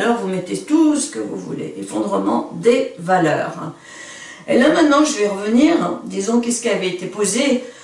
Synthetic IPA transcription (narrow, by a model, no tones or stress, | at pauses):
lɔʁvumɛt̪et̪usə̥kəvṵvṵlḛʔefɔ̰̃d̪ʁəmɑ̰̃d̪evalœ̰ːʁ | ḛlamɛ̃t̪nɑ̃ʒəvɛʁəvəniʁd̪izɔ̃kɛsə̥kiavɛet̪epoze